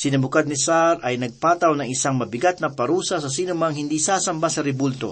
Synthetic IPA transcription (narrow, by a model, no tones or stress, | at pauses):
sɪnɐbʊkad̪̚nɪsaɾɐjnɐɡ̚paːt̪ɐwnɐŋɪsaŋmɐbɪɡat̪̚nɐpɐɾuːsɐsɐs̬iːnʊmɐŋhɪnd̪iːsaːsɐmbasɐɾɛbult̪o̰